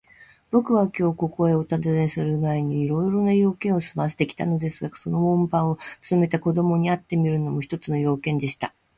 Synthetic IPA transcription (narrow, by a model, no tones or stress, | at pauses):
b̥o̞kɯ̟βakʲo̞ːko̞ko̞e̞o̞t̪ad̪ɨzesɨɾɯ̟mae̞ɲ̟iːɾo̞iɾo̞najo̞ːkẽɰ̃osɨmas̬e̥t̪e̞kʲi̥t̪ano̞d̪e̞sɨɡaso̞no̞mõ̞mpãɰ̃o̞t͡sɨ̥t̪o̞me̞t̪ako̞d̪o̞mo̞ɲ̟iat̪ːe̞mʲiɾɯ̟no̞mo̞çi̥t̪o̞t͡sɨno̞jo̞ːkẽ̞nd̪e̞ɕi̥t̪a